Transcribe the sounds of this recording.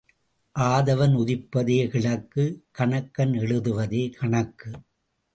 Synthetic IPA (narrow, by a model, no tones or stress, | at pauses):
ʔaːðɐʋɐnʊðɪpːɐðeːkɪɭɐkːɯkɐɳɐkːɐnɛɻɯðɯʋɐðeːkʰɐɳɐkːɯ